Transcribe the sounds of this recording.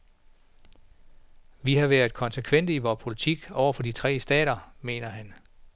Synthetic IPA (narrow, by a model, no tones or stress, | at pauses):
ʋihɑ̈ʋæːɐð̥ˠkʰɒ̽nsəkʰʋen̰d̥əiʋɒːpʰo̝lit͡sʰiɡ̥ɒʊ̰ɐfɒ̽d̥it͡sʰʁɛ̰ːsd̥ɛ̰ːɾ̥ɐme̝̰ːnɐɦæn